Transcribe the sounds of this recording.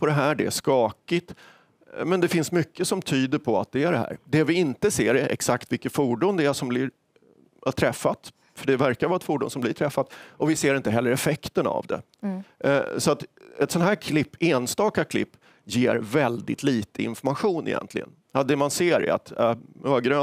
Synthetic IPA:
pʰɔd̪ɛɦæːɖɛæʂkɑːkɪt̪ | mɛnd̪ɛfɪnsmʏkːəsɔmt̪ʰyːd̪əɾpʰɔa̰t̪̚d̪ɛæɖɛɦæ̰ːɾd̪ɛvɪɪnt̪əseːɾɛ̰ksakt̪vɪlkːət̪fuːɖʊnd̪ɛæʂɔmblɪɾ | t̪ʰɾɛfːat̪ | fœɖɛvæɾkavɑːɛt̪fuːɖʊ̰ːnsɔmb̪ɪʈ̪ʰɾɛfːat̪ɔvɪseːɾɪnt̪əɦɛlːəɾɛfɛkt̪əna̰vd̪ɛ̰ | sɔat̪ɛt̪sɔnhæːɾkʰlɪpːeːnst̪ɑːkakʰlɪ̰pː | jeːɾvɛld̪ɪ̰t̪ʰliːt̪ʰəɪ̰nfɔɾmaɧuːnʔɪ̰jɛ̰nt̪ʰlɪ̰ɡə̰n | had̪ɛmanseːɾɛ̰a̰t̪ːøːɡɾøː

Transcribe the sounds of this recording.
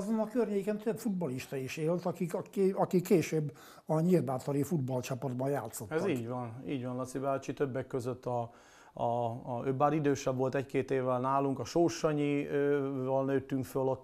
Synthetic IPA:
zonɒkørɲeːkɛnt̪øbfud̪̚bɒliʃt̪ɒiʃeːlt̪ɒkikɒkikːeːʃøːbː | ɒɲirbaːt̪oɾifud̪bɒlt͡ʃɒpɒd̪̚bɒjaːt̪sːot̪ɛziːɟʋɒniːɟʋɒnlɒt̪sibaːt͡ʃit̪øbːɛkːøzøt̪ːɒ | øːbaːɾid̪øːʃɛvo̞lt̪ɛckeːt̪eːvːɛlnaːluŋkɒʃoːʃɒɲiøvɒlnøːt̪ːyŋkfølot̪ː

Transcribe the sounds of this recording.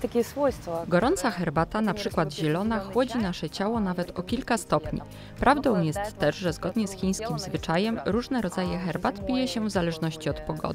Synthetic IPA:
t̪akʲɛswɔjst̪fɔɡɔɾɔnt̪saxɛɾbat̪anapʂɘkwad̪ʑɛlɔnaxwɔd͡ʑinaʂɛt͡ɕawɔnavɛt̪ɔkʲilkast̪ɔpɲḭ | pɾʔavd̪ɔ̃w̃jɛst̪ːɛʐʐɛzɡɔd̪ɲɛsxʲij̃skʲimzvɘt͡ʂajɛmɾuʐnɛɾɔd̪zajɛxɛɾbat̪pʲijɛɕɛvzalɛʐnɔɕt͡ɕiɔt̪pɔɡɔ̰d̪ɘ̥

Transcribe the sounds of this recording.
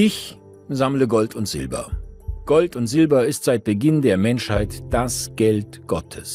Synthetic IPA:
ʔɪç | zamləɡɔltʰʊntz̥ɪ̰lbɐ̰ɡ̥ɔltʊntz̥ɪlbɐɪstz̥aɪt̚b̥əɡɪndeːɐmɛnʃhaɪtd̥asɡ̥ɛltɡ̥ɔtʰəs

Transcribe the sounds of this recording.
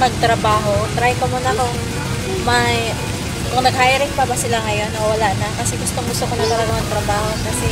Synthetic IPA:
mɐɡ̚t̪ɾɐbaːɦo̞t̪ɾajkɐmuːnɐkʊŋ | mɐj | kʊŋnɐɡ̚haːjɾɪŋpɐbɐsɪlaŋɐjo̞nːɐwɐlaʔnɐkɐsɛɡʊst̪oŋɡʊst̪okonɐk̪ɐɾɐɡɐmɐŋt̪ɾɐbaːho̞kɐsɛ

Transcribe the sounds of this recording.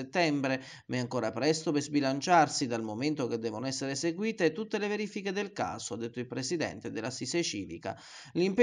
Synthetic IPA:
et̪ːɛmbɾe | mɛaŋkoːɾapɾɛst̪opezbilant͡ʃarsid̪almoment̪ok̟ed̪ːɛːvonoɛsːeɾeseɡwiːt̪et̪ut̪ːeleveɾiːfiked̪elka̰ːsoad̪ːet̪ːoilpɾesid̪ɛ̰nt̪ed̪elːasiset͡ʃiːlḭka̰ | limpe

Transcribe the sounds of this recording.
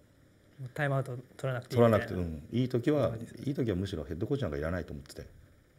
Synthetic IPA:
mot̪aimaɯt̪ot̪oɾanakɯ̥t̪eoɾanakɯ̟t̪eɯ̟̃ːiːt̪o̞kʲiβaiːt̪o̞kʲiβamɯ̟ɕiɾohe̞t̪d̪ːo̞koːt͡ɕãŋɡaiɾanait̪oːmo̞t̪ːe̥t̪e̞̰

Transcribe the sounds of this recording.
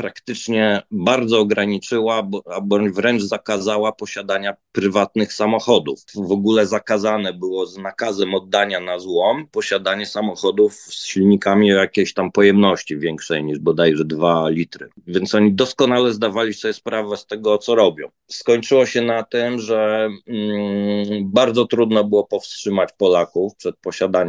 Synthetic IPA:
pɾakt̪ɘt͡ʂɲɛbaɾd̪zɔːɡɾaɲit͡ʂɘwabɔabɔɲvɾɛnd͡ʐzakazawapɔɕad̪aɲapɾɘvat̪nɘxsamɔxɔd̪ufvɔɡulɛzakazanɛbɘwɔznakazɛmɔd̪ːaɲanazwɔmpɔɕad̪aɲɛsamɔxɔd̪ufsɕilɲikamʲiɔjakʲeɕt̪ampɔjɛmnɔɕt͡ɕivʲjɛŋkʂɛjɲiʐbɔd̪ajʐɛd̪valʲit̪ɾɘ̰vʲjɛntsɔɲid̪ɔskɔnalɛzd̪avalʲisɔbʲjɛspɾavɛst̪ɛɡɔt̪sɔɾɔbʲjɔ̰̃w̃skɔɲt͡ʂɘwɔɕɛnat̪ɘmʐɛ | baɾd̪zɔt̪ɾud̪nɔbɘwɔpɔfstʂɘmat͡ɕpɔlakufpʂɛt̪̚pɔɕad̪aɲ

